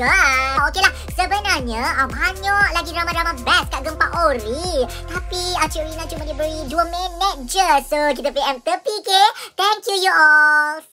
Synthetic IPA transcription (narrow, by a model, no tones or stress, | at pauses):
aokelah | səbənarɲãəbaɲaɔʔlaɡidəɾamãdəɾamãbɛskaʔɡəmpaʔoɾit̪apiak̚t͡ʃuolinãt͡ʃumãdibəɾiduəmɛ̃nət̪̚d͡ʒəsok̬it̪əpeɛmt̪əpiket̪ɛŋkjujuʔɔl